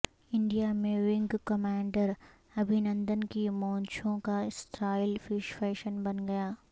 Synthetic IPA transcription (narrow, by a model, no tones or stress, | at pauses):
ɪ̃ɳɖijamẽʋɪ̃ŋɡkɐmaːɳɖəɾ | ɐbʱɪnə̃nd̪ənkimɔ̃ːɲt͡ʃʰõkaɪsʈʰɾaːɪlfɪʃfɛːʃənbɐnɡɐjaː